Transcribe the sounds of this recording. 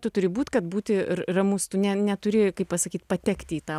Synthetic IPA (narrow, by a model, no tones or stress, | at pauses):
t̪ʊt̪ʊɾʲɪbuːt̪kɐt̪buːt̪ʲɪrɐmʊst̪ʊnʲɛnʲɛt̪ʊɾʲɪkɐɪppɐsɐkʲiːt̪pɐt̪ʲɛkt̪ʲiːt̪ɑː